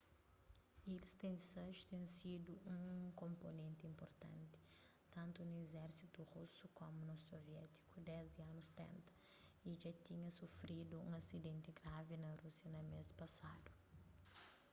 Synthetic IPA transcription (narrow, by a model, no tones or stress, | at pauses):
elɪst̪ẽj̃d̪isɐʒt̪ẽj̃sid̪ʊũkõmponẽnt̪ɪĩmpoɾt̪ɐ̰̃nt̪ɪ̥ | t̪ɐ̃nt̪ʊnʊezɛɾsit̪uʁusukõmʊnʊsoviɛt̪i̥kʊd̪ɛzd̪ɪɐnʊst̪ɛ̰̃nt̪ɐ̥ | iʒat̪iɲɐsofɾid̪ʊṵ̃ɐsid̪ẽnt̪ɪɡɾavɪnɐɾusjɐnɐmezpɐsad̪ʊ